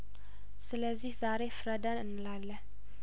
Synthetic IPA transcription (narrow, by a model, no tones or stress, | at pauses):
sɨləzːihz̥aɾefɨɾəd̪ənɨnːɨlalːə